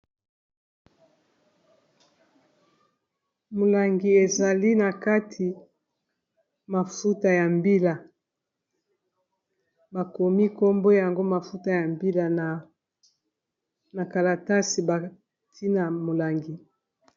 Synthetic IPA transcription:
mo˨la˨ŋɡi˨e˨za˨li˦na˨ka˦tʰi˨ | ma˨fu˦ta˨ja˨mbi˦la˨ | ba˨ko˨mi˦ko˦mbo˦ja˨ŋɡo˦ma˨fu˦ta˨ja˨mbi˦la˨na˨ | na˨ka˨la˨ta˦si˨ba˨ | tʰi˦na˨mo˨la˨ŋɡi˨

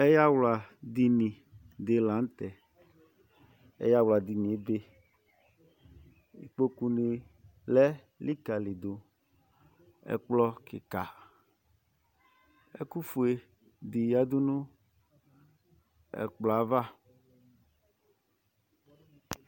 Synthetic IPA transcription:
ɛ˦ja˦wla˨d̪i˨nĩ˨ | d̪e˨lã˨˦n˦t̪ɛ˨ | ɛ̰˦ja˦wla˨d̪i˨nĩ˨e˨˦be˦ | ḭ˨k͡po˦ku˨ni˨ | lɛ˦ | li˦ka˨li˨d̪o˨ | ɛ̰˨k͡plɔ˦kɪ̰˨ka˨ | ɛ̰˦ku˦fu˨e˨ | d̪i˨ja˦d̪u˦nũ˦ | ɛ̰˨k͡plɔ˨a˨˦va˦

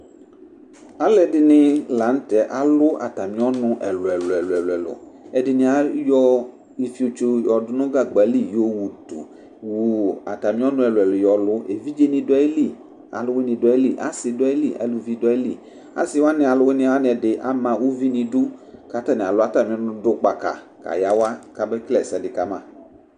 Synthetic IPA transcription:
a˦lɛ˨dɪ˨nɪ̃˦la˨˦n̩˦t̪ɛ˨ʔa˨lʊ˦a̰˨t̪a˨mĩ˦ɔ˦nʊ̃˦ʔɛ˨lʊ˨ɛ˨lɛ˨lʊ˨ɛ˨lɛ˨lʊ̰˨ɛ˨dɪ˨nɪ̃˨a˦jɔ˦ | i˨fi˨˦o˨t͡ʃo˦jɔ˨dʊ˨˦nʊ̃˦ɡa˦ɡ͡ba˨˦li˦˨jo˦wu˨t̪ṵ˨ | wu˨a̰˨t̪a˨mĩ˦ɔ˦nʊ̃˦ɛ˨lʊ˨ɛ˨ljɔ˨lʊ˦e˨vi˦d͡ʒe˦nĩ˦de˦li˦˨ | a̰˨lʊ˦we˦nĩ˨dʊ˦e˦li˦˨ʔa̰˦sɪ˨de˦li˦˨ʔa̰˨lu˨vi˦de˦li˦˨ | a̰˦sɪ˨˦wa˦nɪ̃˨a˨lʊ˨˦we˦nɪ̃˦wa˦nɪ̃˨ɛ˨dɪ˨ʔa̰˦mã˨wu˦vi˦nĩ˨dʊ˦ka˨t̪a˦nɪ̃˨a˨lʊ˦a˨t̪a˨mĩ˦ɔ̃˦nʊ̃˦dʊ˦k͡pa˨ka̰˨ | ka̰˨ja˦wa˦ka˨be˦klɛ˦˨sɛ˨dɪ˨ka˨mã̰˦˨

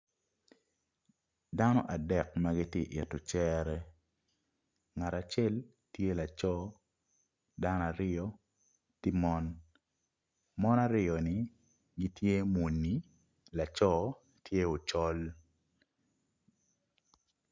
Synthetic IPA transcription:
da˦nɔ˦ʔa˨dɛ˨kmaɡi˦tje˦˨ʔɪ̰˨tɔ˨t͡ʃɛ˦ɾɛ˦ | ŋa˨ɾa˨t͡ʃɛ˦l | tje˦la˨t͡ʃɔ˦ | da˦na˨ɾɪ˦jɔ˦ | ti˦mɔ˦n | mɔ˦na˨ɾɪ˦ɔ˨ni˨ | ɡi˦tʰje˦mu˨nːi˨ | la˨t͡ʃɔ˦ | tje˦o˨t͡ʃɔ˦l

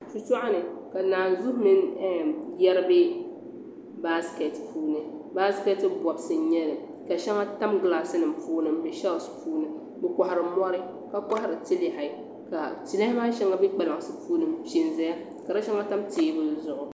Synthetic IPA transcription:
t͡ʃu˦t͡ʃu˦ʔa˦nɨ˨ka˨naː˨n˨zu˦hmɨ˦n˦ | jɛ˦ɾɨ˦bɪ˦ | ba˦ske˨tpʰuː˦nɨ˨ba˦ske˦tɨ˦bɔ˨bsɨ˨˦ɲɛ˦nɨ˨ | ka˨ʃɛ˦ŋa˦ta˦mɡlaː˦sɨ˦nɨ˨mpuː˦nɨ˨mbɨ˨ʃa˦lspʰuː˦nɨ˦ | bɨ˨kɔ˨ha˨ɾɨ˨mɔ˦ɾɨ˦ | ka˦ka˦ha˨ɾɨ˨ti˦lɪ˨ha˨ | ka˨ti˨la˦hɪ˦ma˦ʃɛ˦ŋa˦bɛ˦k͡pa˨la˨ŋ˨sɨ˨puː˦nɨ˦˨mʃi˨nzɛ˦ja˦ | ka˨ɾa˦ʃɛ˦ŋa˦ta˦mteː˨˦bɨ˦zʊ˨ʔʊ˨

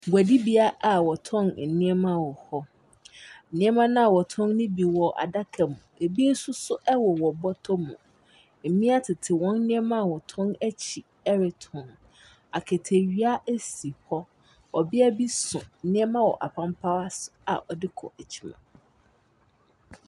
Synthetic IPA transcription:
ɡʷæ˨di˦bi˨a˦ʔa˨wɔ˨tʰɔ̃˦nn̩˨nɪ̃˦ɛ˦mã˦˨wɔ˨hɔ˦˨ | nɪ̃˦ɛ˦mã˦nã˦a˨wɔ˨tʰɔ̃˦nnɪ̃˦bi˨wɔ˨ʔa̰˨da˦kʰɛ˨mũ˨e˨bi˦n̩˦sʊ̃˦sʊ˦ʔɛ˦wɔ˨wɔ˨bɔ˦tʰɔ˦mũ˨ | m̩˨mĩ˦a˦tʰɪ˨tʰɪ˨wɔ̃˦nː˦ɪ̃˦ɛ˦mã˦˨wɔ˨tʰɔ̃˦næ˦t͡ɕʰi˨ | ɛ˦ɾɪ˨tʰɔ̃˨n | a˨kʰɛ˨tʰe˨ɥi˦a˦ʔæ˦si˨hɔ˦ | ɔ˨bɪ˦æ˦bi˦sʊ̃˨nɪ̃˦ɛ˦mã˦wɔ̰˨ʔa˨pʰã˦mpʰa˦wa˦sʊ̥˨a̰˨ʔɔ˨dɪ˦kʰɔ̰˨æ˨t͡ɕʰi̥˦mã̰˨

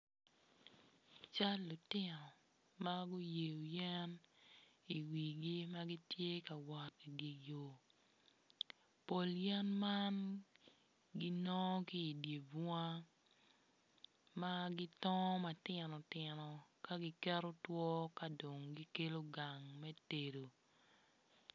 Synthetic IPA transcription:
t͡ʃa˦lːʊ˨tɪ˦nɔ˨ | ma˦ɡo˦je˨jo˨jɛ˦n | i˨wi˨ɡi˦ma˦ɡi˦tje˦ka˨wa˨ti˨ɡi˨jo˨ | po˨ljɛ˦nma˦n | ɡi˦nɔ˦ki˦i˨dje˨ba˦ | ma˦ɡɪ˦tɔ˦ma˨tɪ˨nɔ˨tɪ˨nɔ˨ka˦ɡi˦kɛ˦ɾo˦twɔ˦ka˨do˨ŋɡi˦ke˦lo˦ɡa˨ŋmɛ˦te˨ɾo˨

